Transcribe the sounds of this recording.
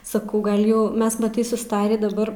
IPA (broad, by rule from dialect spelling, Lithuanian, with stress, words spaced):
sɐˈkɐʊ ˈɡɐlˠ ˈjɛʊ ˈmʲɛs mɐˈtɐɪ sʊsˈtɑːrʲiː dɐˈbɐr